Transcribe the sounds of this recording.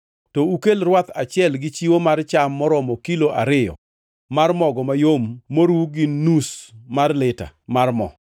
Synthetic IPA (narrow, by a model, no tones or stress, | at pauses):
tɔukelɾwat̪at͡ʃɪɛlɡɪt͡ʃiwomart͡ʃamːɔɾɔmɔkiloʔa̰ɾɪjɔ̰ | marmɔɡɔmajomːoɾwuɡɪnusmarlɪta̰marmɔ̰